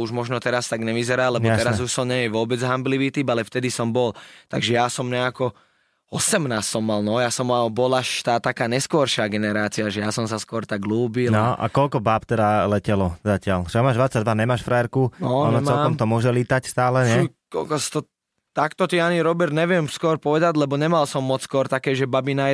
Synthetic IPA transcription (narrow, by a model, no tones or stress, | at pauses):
uʒmɔʒnɔt̪ɛɾast̪aɡɲɛʋizɛɾaːlɛbɔt̪ɛɾazuʃsɔmɲɛjɛʋʊɔbɛd͡zɦambliʋiːt̪iːbalɛft̪ɛd̪isɔmbɔlt̪a̰ɡʒɛjasɔmɲɛakɔ | ɔsɛmnaːst̪sɔmːalnɔjasɔmːalbɔlaʃt̪aːt̪akaːɲɛskʊɔɾʃaːɡɛnɛɾaːt͡siaʒɛjasɔmsaskʊɔɾt̪aɡluːbilnɔʔa̰kɔlkɔbaːpt̪ɛd̪alɛcɛlɔzacɪalt͡ʃɛamaːʒd̪ʋat͡sːaɟd̪ʋaɲɛmaːʃfɾaɛɾkunɔɔnɔt͡smɛlːkkɔmt̪ɔmʊɔʒɛliːt̪acst̪aːlɛɲɛukɔ̰lkɔsi̥t̪ɔ | t̪akt̪ɔt̪ianiɾɔbɛɾd̪ɲɛʋɪɛmskʊɔɾpɔʋɛd̪aɟlɛbɔɲɛmalsɔmːɔt͡sskʊɔɾt̪akɛːʒɛbabina